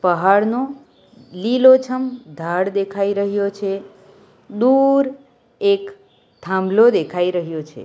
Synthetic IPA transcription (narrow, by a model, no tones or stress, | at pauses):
pəɦaɽno | lilot͡ʃʰəmd̪ʱaɽd̪ekʰaiɾəɦijot͡ʃʰe | d̪uɾ | ek | t̪ʰãmblod̪ekʰaiɾəɦijot͡ʃʰḛ